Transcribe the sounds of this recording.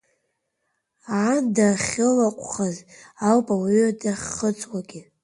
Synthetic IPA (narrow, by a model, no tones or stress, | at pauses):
andaχʲɪlaqʷʼχazalpʼawɥdaχʲːət͡sʼwaɡʲɪ